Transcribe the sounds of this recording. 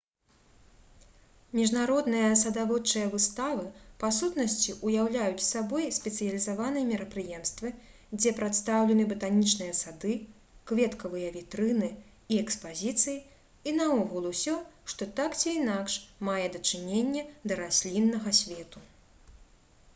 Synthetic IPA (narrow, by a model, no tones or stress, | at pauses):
mʲiʐnaɾɔd̪nɨjɐs̬ɐd̪avɔt͡ʂɨjɐvɨst̪avɨpasut̪nɐsʲt͡sʲiʔujawlʲajut͡sʲsabɔjsʲpʲɛt̪sɨjɐlʲizavan̪ɨjɐmʲɛɾɐpɾɨjɛmst̪vɨ | d͡zʲɛpɾat̪st̪awlʲɛnɨbɐt̪anʲit͡ʂnɨjɐsad̪ɨ | kvʲɛt̪kɐvɨjɐvʲit̪ɾɨnɨ | iɛkspazʲit̪sɨji | inɐɔɣulˠusʲɔʂt̪ɔt̪akt͡sʲiːnakʂmajɛd̪ɐt͡ʂɨnʲenʲːɐd̪ɐɾasʲlʲinːɐɣɐsʲvʲɛt̪u